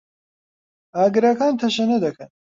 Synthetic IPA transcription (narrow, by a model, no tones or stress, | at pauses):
aːɡɨɾɐkaːnt̪ʰɐʃɐnɐd̪ɐkʰɐn